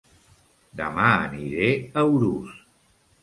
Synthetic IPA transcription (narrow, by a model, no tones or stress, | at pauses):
d̪əmaəniɾeəwɾus